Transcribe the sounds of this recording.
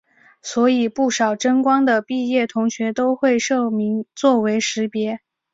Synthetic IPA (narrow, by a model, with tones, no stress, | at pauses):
swɔ˧˥i˨˩pu˥˩ʂɑ˨˩ʊʈ͡ʂə˥ŋkwɑ˥ŋd̪ə˨pi˥˧jɛ˥˩t̪ʰʊ˧˥ŋɕɥɛ˧˥t̪o˥ʊxwe˥˧ɪʂɤ˥˩mi˧˥ŋt͡swɔ˥˩we˧˥ɪʂɻ̩˧˥pjɛ˧˥